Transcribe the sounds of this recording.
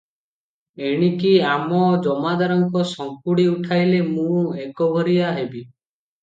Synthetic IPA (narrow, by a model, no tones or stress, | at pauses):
eɽ̃ikiamɔd͡ʒɔmad̪aɾɔŋkɔsɔŋkuɽiuʈʰajlemũekɔbʱɔɾiaɦebi